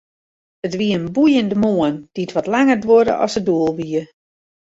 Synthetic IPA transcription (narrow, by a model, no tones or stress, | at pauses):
ətʋiəənbujəndəmoənd̥iətʋɔtlaŋərdwodə̰ʔɔ̰səduəlˠʋiə